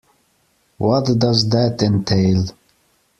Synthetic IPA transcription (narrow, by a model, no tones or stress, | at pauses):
wɔtd̪ʌzd̪ætɪ̃ntʰeɪl